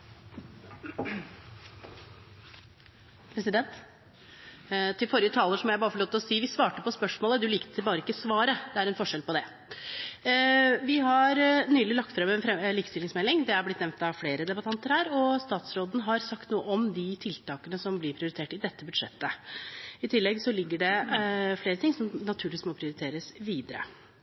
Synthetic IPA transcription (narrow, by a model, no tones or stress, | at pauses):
pʰɾɛsɪd̪ɛnt̪ | t̪ʰɪlfɔɾjət̪ʰɑːləʂɔmjæɪbɑːɾəfɔɭoːt̪lɔsiːʋɪsʋɑːʈəpɔspœʂmoːləd̪ʉliːk̪t̪ʰɪlbɑːɾəɪkːəsʋɑːɾəd̪ɛæɾɛnfɔʂɛlpɔd̪ɛ | ʋɪɦɑɾnyːlɪlɑk̚t̪fɾɛmɛnɛliːkə̥st̪ɪlːɪŋsmɛlːɪŋd̪ɛæɾblɪt̪nɛʋnt̪ɑfleːɾəd̪ɛbɑt̪ʰɑnt̪əɾhæːɾɔst̪ɑːt̪sɾoːd̪n̩ɦɑɾsɑkt̪nuːəʔɔmd̪ɪt̪ʰɪlt̪ɑːkənəsɔmblɪpʰɾɪʊɾɪt̪ʰeːʈɪd̪ɛt̪ːəbʉd̪ʂɛ̰t̪ːə | ɪt̪ʰɪlːɛɡsɔlɪɡːəɖɛfleːɾət̪ʰɪŋsɔmnɑt̪ʰʉːɾɪʋiːsmɔpʰɾɪʊɾɪt̪ʰeːɾəsʋiːd̪əɾə̰